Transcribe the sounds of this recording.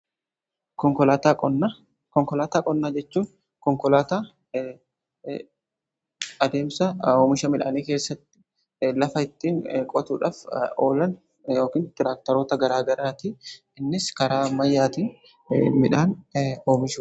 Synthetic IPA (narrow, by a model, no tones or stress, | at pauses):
kɔŋkɔlaːt̪akʼɔnːa | kɔŋkɔlaːt̪aːkʼɔnːaːd͡ʒɛt͡ʃːuːn | kɔŋkɔlaːt̪a | ɐd̪e̞ːmsɐoːmɪʃɐmɪᶑaːniːke̞ːsːɐt̪ːɪ̥ | lɐfɐɪt̪ːiːŋkʼɔt̪ṵːᶑaːfo̰ːlɐn | jo̞ːkiːnt̪ɪɾaːk̚t̪ɐɾoːt̪ɐɡɐɾaːɡɐɾaːt̪ɪ | ɪnːɪskɐɾaːmɐjːaːt̪iːn | mɪᶑaːnoːmɪʃu